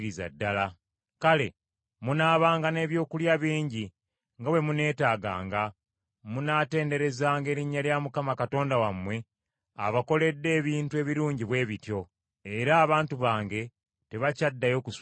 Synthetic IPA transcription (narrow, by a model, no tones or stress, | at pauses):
ɾiza̰dːala | kale̞ | munaːβaːŋɡane̞ːβjo̞ːkuljaβiːɲɟi | ŋɡawe̞mune̞ːtaːɡa̰ːŋɡa | munaːte̞ːnde̞ɾe̞zaːŋɡe̞ːɾiɲːaljamukamakato̞ːndawamwe̞ | a̰βako̞le̞dːe̞ːβiːntue̞ːβiɾuːɲɟiβwe̞ːβitjo̞ | e̞ɾaːβaːntuβaːŋɡe̞ | te̞βacadːajo̞ːkus